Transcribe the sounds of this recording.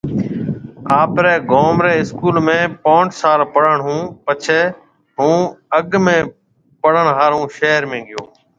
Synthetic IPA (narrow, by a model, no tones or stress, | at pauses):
aːpɾɛːɡoːmɾeːɪskuːlmẽːpõːɳʈsaːɾpəɽəɳɦũːpət͡ʃʰeː | ɦũːəɠmẽː | pəɽ̤əɳɦaːɾũːʃeːɾmẽːɡɪjoː